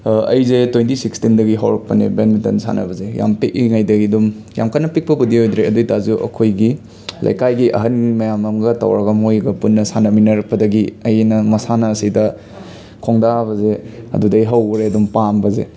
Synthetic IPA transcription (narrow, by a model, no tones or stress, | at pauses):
ɐ̰jzetwjntisikstindɐɡiɦɐwɾɐk̚pɐnḛbenmitɐ̰nsa̰nɐ̰bɐzeja̰mpeʔiŋajdɐɡidum | ja̰mkʰanɐpik̚pɐpudiojd̪ɾeɐdujtazuʔɐ̰kʰojɡi | lʔɐ̰jkajɡiʔɐ̰ɦɐnmɐjamɐmɡɐta̰wɾɐɡɐmojɡɐpunːɐsanɐminɐɾɐk̚pɐdɐɡiɐjnɐmɐsanɐːsidɐ | kʰoŋdaβɐzeɐ̰dudɐjɦɐwɾeɐdumpambɐzḛ